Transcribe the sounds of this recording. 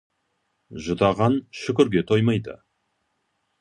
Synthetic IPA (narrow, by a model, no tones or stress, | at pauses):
ʒʊt̪ɑʁɑnʃʏkʲɪɾɡʲe̞t̪ʰo̞jmɑjd̪ə̰